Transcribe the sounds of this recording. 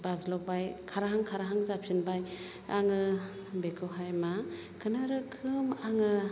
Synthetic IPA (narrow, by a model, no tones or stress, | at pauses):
bazlɔbajkʰaɾaɦaŋkʰaɾaɦaŋzap̚sɯnbaj | a̰ŋɯ | bekʰɯɦajma | kʰɯnaɾɯkʰɯmaŋɯ